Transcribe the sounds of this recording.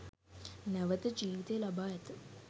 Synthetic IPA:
næʋət̪əd͡ʒiːʋit̪ejːlabaːɛt̪ə

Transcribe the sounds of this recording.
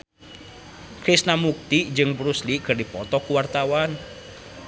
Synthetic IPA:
kɾisnamuk̚t̪id͡ʒɨŋbɾuslikɨrdipɔt̪ɔkuwart̪awan

